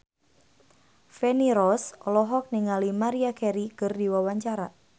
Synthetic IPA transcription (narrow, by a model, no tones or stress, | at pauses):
fɛniɾɔsɔlɔɦɔk̚niŋalimaɾiakɛɾikərdiwawaɲt͡ʃaɾa